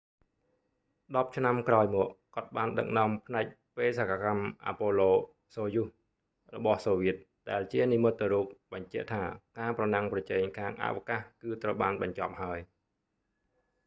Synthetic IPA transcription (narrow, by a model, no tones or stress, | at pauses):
ɗɑp̚t͡ɕʰnamkraɔjmɔəʔkŏət̪̚ɓaːnɗə̰k̚nŏəmpʰnaɛk̚ | peːsakakamʔa̰ːpoːloː | soːjuh | rɔɓɑhsoːʋiət̪̚ | ɗaɛlt͡ɕiənimɨt̪̚ːɨɾuːk̚ɓɑɲt͡ɕɛ̆əʔt̪ʰaːkaːprɑnaŋprɑt͡ɕɛːŋkʰaːŋʔa̰ʔʋakahkɨːt̪rəwɓaːnɓɑɲt͡ɕɑp̚haəj